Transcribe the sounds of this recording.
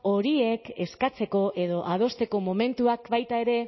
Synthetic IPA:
o̞ɾie̞ke̞skat͡se̞ko̞ʔe̞ðo̞ʔað̞o̞st̪e̞ko̞mo̞me̞nt̪uakbajt̪ae̞ɾe̞

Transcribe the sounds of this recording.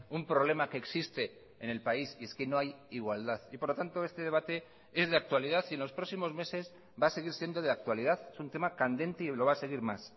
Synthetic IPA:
umpɾo̞β̞le̞make̞ːksist̪e̞ː | ne̞lpaisie̞ske̞no̞ajiɣwald̪aθipoɾlot̪ant̪o̞e̞st̪e̞ðe̞β̞at̪e̞ | e̞zðeak̚t̪waliðaθie̞nlo̞spɾo̞ksimo̞zme̞se̞z | base̞ɣiɾsje̞nd̪o̞ð̞eak̚t̪walið̞aθesunt̪e̞makand̪e̞nt̪e̞ilo̞β̞ase̞ɣ̞iɾmas

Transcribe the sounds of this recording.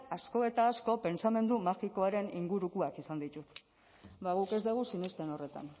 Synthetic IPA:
asko̞e̞t̪aːsko̞pe̞nt͡same̞nd̪umaxiko̞aɾe̞niŋɡuɾukuakisand̪it̪ut̪ | baɣuke̞zd̪eɣ̞usinest̪e̞no̞re̞t̪a̰n

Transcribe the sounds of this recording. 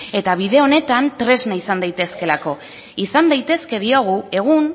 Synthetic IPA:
e̞t̪aβ̞iðe̞o̞ne̞t̪ant̪ɾe̞znaisand̪ajt̪e̞ske̞lako̞ | isand̪ajt̪e̞ske̞ðio̞ɣ̞ue̞ɣ̞un

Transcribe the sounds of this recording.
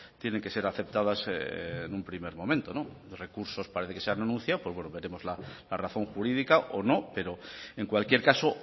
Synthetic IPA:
t̪jene̞ŋke̞se̞ɾaθe̞p̚t̪að̞asenumpɾime̞ɾmõ̞mẽnt̪o̞no̞ | re̞kuɾso̞spaɾe̞θeke̞seananũn̟θjaopwo̞zβwenoβe̞ɾe̞mo̞zlalaraθo̞ŋxuɾiðikaʔono̞pe̞ɾo̞e̞ŋkwalkje̞ɾkaso̞

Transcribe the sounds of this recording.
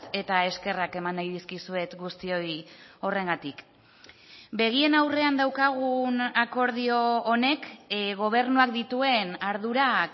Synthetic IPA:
e̞t̪ae̞ske̞rake̞mand̪ajðiskisue̞t̪ɡust̪io̞jo̞re̞ŋɡat̪ik | be̞ɣ̞ie̞nawre̞and̪awkaɣ̞unako̞ɾð̞io̞ːne̞kɣo̞β̞e̞ɾnuak̚d̪it̪ue̞naɾðuɾak

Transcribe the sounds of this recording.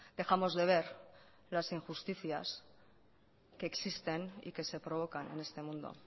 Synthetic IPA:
d̪e̞xamo̞zðe̞β̞e̞ɾ | lasiŋxust̪iθja̰s | ke̞ːksist̪e̞nḭke̞se̞pɾo̞β̞o̞kane̞̰ne̞st̪e̞mũnd̪o̞̰

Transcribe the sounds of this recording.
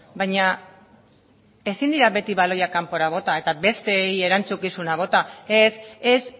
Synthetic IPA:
bajɲa | e̞sind̪iɾaβe̞t̪iβalo̞jakampo̞ɾaβ̞o̞t̪ae̞t̪abe̞st̪e̞ie̞ɾant͡sukisunaβ̞o̞t̪ae̞ses

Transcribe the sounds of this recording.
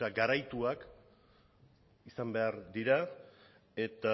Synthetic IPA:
aɡaɾajt̪uak | isambe̞aɾd̪iɾa | e̞t̪a

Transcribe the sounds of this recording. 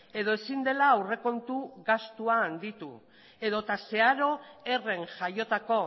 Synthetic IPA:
e̞ð̞o̞e̞sind̪e̞laːwre̞ko̞nt̪uɣast̪uaːnd̪it̪ṵ | e̞ðo̞t̪ase̞aɾo̞e̞re̞ŋʝajo̞t̪ako̞

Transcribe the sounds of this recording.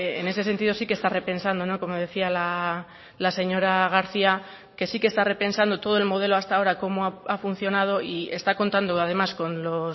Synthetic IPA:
ene̞se̞se̞nt̪iðo̞sikest̪are̞pe̞nsand̪o̞no̞ko̞mo̞ð̞e̞θiala | lase̞ɲo̞ɾaɣ̞aɾθia | ke̞sikest̪are̞pe̞nsand̪o̞t̪o̞ð̞o̞e̞lmo̞ð̞e̞lo̞ast̪ao̞ɾako̞moaafun̟θjo̞nað̞o̞ie̞̰st̪ako̞nt̪and̪oað̞e̞masko̞nlo

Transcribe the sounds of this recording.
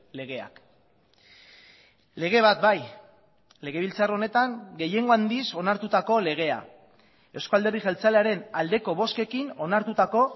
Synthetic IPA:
le̞ɣ̞e̞a̰k | le̞ɣe̞β̞at̪̚baj | le̞ɣ̞e̞βilt͡sarone̞t̪aŋɡe̞je̞ŋɡo̞and̪iso̞naɾt̪ut̪ako̞le̞ɣ̞e̞a̰ | e̞wskoald̪e̞riʝelt͡saleaɾe̞nald̪e̞ko̞β̞o̞ske̞kino̞naɾt̪ut̪ako̞

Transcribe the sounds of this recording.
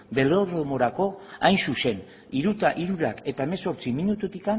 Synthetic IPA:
be̞loromo̞ɾako̞ajnsuse̞n | iɾut̪aʔiɾuɾake̞t̪ae̞meso̞ɾt͡siminut̪ut̪ikan

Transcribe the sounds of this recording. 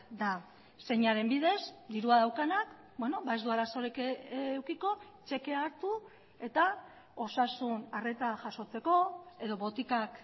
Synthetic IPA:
d̪a | se̞ɲaɾe̞mbiðe̞sd̪iɾuaðawkanak | bweno̞baezd̪uaɾaso̞ɾekewkiko̞ | t͡ʃe̞ke̞aɾt̪u | e̞t̪a | o̞sasunare̞t̪aʝaso̞t͡se̞ko̞e̞ðo̞βo̞t̪ikak

